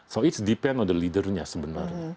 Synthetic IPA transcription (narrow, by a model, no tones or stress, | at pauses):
soitsdipɛ̃ndɔndəlidərɲasəbənarɲa